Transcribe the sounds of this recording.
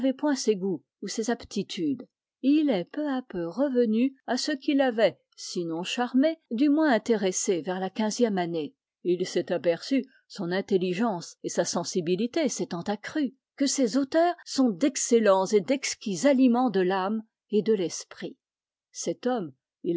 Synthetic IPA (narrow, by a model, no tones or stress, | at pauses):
vɛpwɛ̃seɡu | usezapt̪ʰit̪ʰyd̪ | ilɛpøapøʁəvənyasəkʲilavɛ | sinɔ̃ʃaʁmed̪ymwɛ̃ɛ̃t̪eʁesevɛʁlakʲɛ̃zjɛmane | ilsɛt̪apɛʁsy | sɔ̃nɛ̃t̪eliʒɑ̃sesasɑ̃sibilit̪esɛt̪ɑ̃t̪akχy | kəsezot̪œːʁsɔ̃d̪ɛkselɑ̃sed̪ɛkskʲizalimɑ̃d̪əlam | ed̪əlɛspχi | sɛt̪ɔm | il